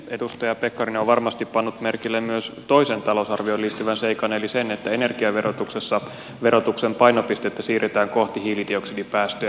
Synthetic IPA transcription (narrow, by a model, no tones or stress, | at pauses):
edust̪ɑjɑpekːɑrinoʋʋɑrmɑst̪ippɑnːut̪merkilːemmyøst̪o̞isent̪ɑlousɑrʋioliːt̪ːyʋænseikɑnelisenet̪ːæene̞rɡiɑʋerot̪uksesːɑ | ʋe̞ɾo̞t̪uksempɑjnopist̪et̪ːæsiːret̪æːŋko̞ht̪ihiːlidioksidipæːst̪ø